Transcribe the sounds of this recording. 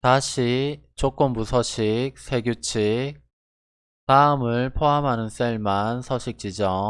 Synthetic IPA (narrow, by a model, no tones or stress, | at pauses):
taɕʰi | t͡ɕok͈ɯmbusʰʌɕʰik̚sʰe̞ɡjut͡ɕʰik̚ | saɯmɯɭpʰoɦamɦanɯns͈eɭmansʰʌɕʰik̚t͡ɕ͈id͡ʑʌ